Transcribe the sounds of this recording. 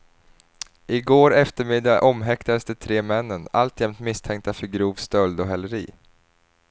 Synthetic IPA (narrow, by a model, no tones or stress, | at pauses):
ʔɪɡoːɾɛft̪əɾmɪd̪aʔɔmːɦɛkt̪ad̪əsd̪ɛt̪ʰɾeːmɛnːəna̰lt̪jɛmt̪mɪst̪ʰɛŋk̚t̪afœɾɡɾuːvst̪œld̪ɔɦɛlːəɾḭː